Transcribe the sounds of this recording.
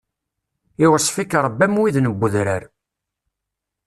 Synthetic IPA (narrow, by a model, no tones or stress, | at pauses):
ɪwəsˤːfikːɾˤəbːæmwiðnəbːuðɾəɾ